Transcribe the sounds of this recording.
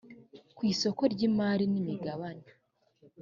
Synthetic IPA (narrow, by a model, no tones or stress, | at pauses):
kwiːso̞ko̞ɾɟimaːɾinimiɡaβana